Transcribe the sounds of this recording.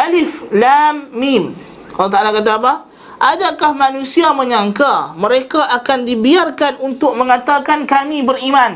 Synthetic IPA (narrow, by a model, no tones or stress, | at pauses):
ʔalɪflamːim | kalat̪aalakat̪̬aːpa | ʔadakahmãnũsiamə̃ɲãŋkamə̃ɾekaʔakandibiarkanunt̪ʊk̚mə̃ŋãt̪akankamĩbəɾimãn